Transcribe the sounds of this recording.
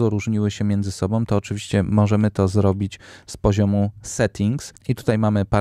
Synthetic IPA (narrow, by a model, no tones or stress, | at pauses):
ɔɾuʐɲiwɘɕɛmʲjɛnd̪zɘsɔbɔ̃w̃t̪ɔːt͡ʂɘvʲiɕt͡ɕɛmɔʐɛmɘt̪ɔzɾɔbʲit͡ɕspɔʑɔmusɛt̪ʲʰiŋksit̪u̥t̪ajmamɘpa